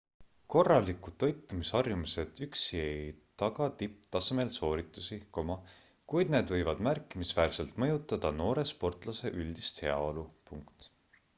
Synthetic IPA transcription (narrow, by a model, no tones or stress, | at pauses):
ko̞rːɑlikuo̞jt̪ːˑumishɑrjumise̞d̪̥yksiejt̪ɑɡ̥ɑt̪ip̚t̪ɑseme̞lso̞ːɾit̪ːˑusiko̞mɑ | kujd̪̚ne̞ːd̪vɤ̞jvɑd̪̥mærkˑːimisvæːrse̞lt̪ˑmɤjut̪ːˑɑd̪̥ɑno̞ːɾe̞spo̞rt̪ˑlɑse̞ʔyld̪̥ist̪he̞ɑ̰o̞lupuŋkt̪